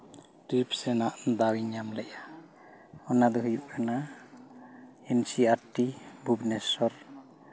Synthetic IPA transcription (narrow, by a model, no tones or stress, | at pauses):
ʈɾipsɛnaʔnd̪awiɲamlɛʔa | ɔnad̪ɔɦujup̚kʰana | ɛnsiaʈːibʱubnɛsɔɾ